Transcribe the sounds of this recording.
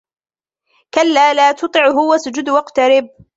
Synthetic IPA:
kalːaːlaːt̪ʊt̪ˤɨʕɦʊwasʊd͡ʒʊd̪wɑqt̪aɾɪb̚

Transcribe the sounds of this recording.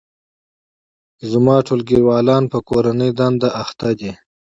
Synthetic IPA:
zamɑːʈʰolɡiwɑːlɑːnpəkoɾanəjd̪and̪aʔːxt̪ad̪i

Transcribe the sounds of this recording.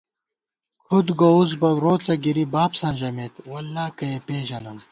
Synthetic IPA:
kʰud̪ɡouzbɐɾoːt͡sɐɡiɾibaːpsãːnʑɐmeːt̪wɐlːaːkɐepeːʑɐnɐm

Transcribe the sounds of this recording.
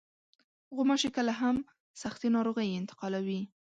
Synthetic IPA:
ɣʊmɑʃekəlaɦam | saxt̪inɑɾoɣəjɪnt̪ɪ̥qɑlawi

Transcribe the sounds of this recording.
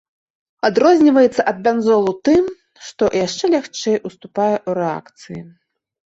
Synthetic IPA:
ad̪ɾɔzʲnʲivɐjɛt̪sːɐʔɐd̪̚bʲanzɔlˠut̪ɨm | ʂt̪ɔjaʂt͡ʂɛlʲaxt͡ʂɛjʔust̪upajɛʔuɾɛa̰kt̪sɨji

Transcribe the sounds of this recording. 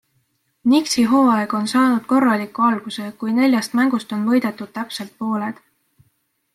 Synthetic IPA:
niksiɦo̞ːɑleɡ̥o̞nsɑːnud̪̥ko̞rːɑlikːˑuɑlɡ̥use̞kujne̞lʲjɑst̪mæŋɡ̥ust̪o̞nvɤ̞jd̪̥e̞t̪ːˑud̪̥̚t̪æpse̞lt̪̚po̞ːle̞d̪̥

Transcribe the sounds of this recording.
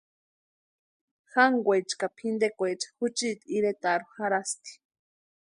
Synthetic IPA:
xaŋɡʷejt͡ʃkapʰind̪ekʷejt͡ʃḁxut͡ʃit̪iɾet̪aɾuxaɾast̪i̥

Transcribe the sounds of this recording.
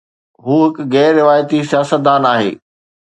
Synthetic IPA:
ɦuːɦɪkɣɛːɾːɪʋaːjət̪isɪjaːsət̪̚d̪aːnaːɦḛː

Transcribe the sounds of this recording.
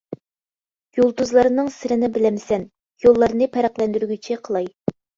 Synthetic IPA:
julˠd̪uzlˠɑɾnɨŋsɪɾɪnɪbɪlɛmsɛn | jolˠːɑɾnɨpʰɛɾæqlɛnd̪yɾyɡʲyt͡ʃʰiqʰəlˠɑj

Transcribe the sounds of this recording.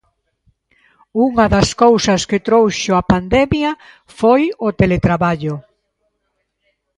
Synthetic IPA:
uŋɐðɐskowsɐskɪt̪ɾowʃʊɐpand̪ɛmjɐ | fojʊt̪elet̪ɾaβaʎʊ

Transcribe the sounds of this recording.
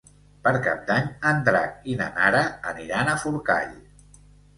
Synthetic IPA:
pəɾka̰p̚d̪aɲənd̪ɾa̰inə̰naɾəːniɾanəfuɾka̰ʎ

